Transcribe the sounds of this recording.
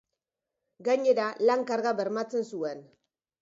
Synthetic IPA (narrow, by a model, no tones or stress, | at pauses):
ɡaɲe̞ɾalaŋkaɾɣaβe̞ɾmat͡se̞nsue̞n